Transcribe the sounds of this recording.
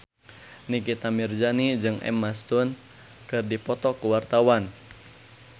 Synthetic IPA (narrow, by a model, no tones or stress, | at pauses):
nikit̪amird͡ʒanid͡ʒɨŋɛ̰mːast̪un | kɨrdipɔt̪ɔkuwart̪awan